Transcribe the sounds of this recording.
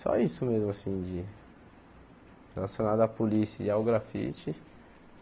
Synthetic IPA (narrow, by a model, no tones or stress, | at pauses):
sɔ̰isʊmezmʊasĩd͡ʒɪ | helasjõnad̪ʊapolisɐiawɡɾafḭt͡ʃɪ